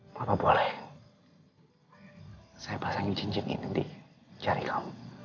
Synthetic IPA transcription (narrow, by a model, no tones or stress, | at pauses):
bapabolɛh | sajapasaŋɪnt͡ʃiɲd͡ʒɪnḭnindḭ | t͡ʃaɾikʰamu